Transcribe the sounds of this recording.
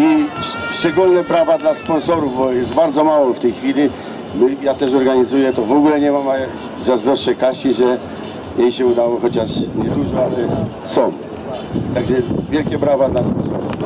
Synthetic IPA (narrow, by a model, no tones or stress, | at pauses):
iʂt͡ʂɛɡulnɛpɾavad̪laspɔ̃nsɔɾuvbɔjɛsd̪baɾd̪zɔmawɔft̪ɛjxfʲilʲi | mɘjat̪ɛʂɔɾɡaɲizujɛt̪ɔvɔɡulɛɲɛmama | zazd̪ɾɔʂːɛkaɕiʐɛ | jejɕɛud̪awɔxɔt͡ɕaʂɲɛd̪uʐɔalɛ | sɔ̃w̃ | t̪aɡʐɛvʲjɛlkʲɛpɾavad̪laspɔnsɔ̰ɾṵf